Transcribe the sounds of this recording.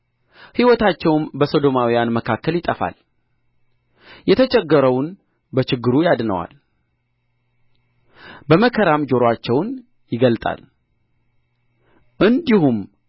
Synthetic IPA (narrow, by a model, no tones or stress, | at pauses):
hiwɔt̪ʰat͡ʃːɛwnbəso̞d̪o̞mawijanməkʰakːəljɪt̪ʼəfa̰l | jɛt̪ʰət͡ʃʼɛɡːəɾəwn | bət͡ʃɪɡːɨɾujad̪nə̰wa̰l | bəməkʰəɾamd͡ʒo̞ɾoat͡ʃːɛwn | jɪɡəlt̪ʼa̰l | ʔɨnd̪ihum